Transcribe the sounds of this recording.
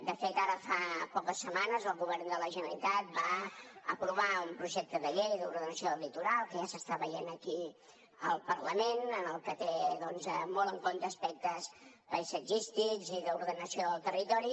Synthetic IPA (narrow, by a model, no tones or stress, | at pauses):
d̪əfet̪aɾəfapɔkəsːəmanəzəlˠɣuβɛrnd̪ələʒənəlit̪at̪̚baəpɾuβ̞aumpɾuʒɛk̚t̪əðəʎejðəuɾðənəsioəlit̪uɾalˠkəʒasəst̪aβəjenəki | əlˠpəɾləmenənəlˠkət̪eðɔnzəmɔlˠəŋkont̪əːspɛk̚t̪əz | pəjsəd͡ʒist̪ikziðəuɾðənəsioðəlˠt̪ərit̪ɔɾi